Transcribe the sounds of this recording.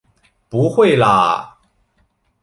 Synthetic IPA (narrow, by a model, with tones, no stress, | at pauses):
pu˨˧˦xwe˥˩ɪla̰˨